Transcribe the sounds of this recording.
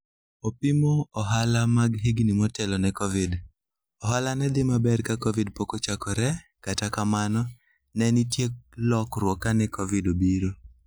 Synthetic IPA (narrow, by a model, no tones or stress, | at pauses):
opimoɔɦalamaɡɦiɡnimɔtɛlɔnɛkɔvɪd | ɔɦalanɛd̪ɪmabɛɾkakɔvidpokot͡ʃakɔɾɛkatakamanɔ | nɛnitjek̚lɔkɾwɔkanɛkɔvidobiɾo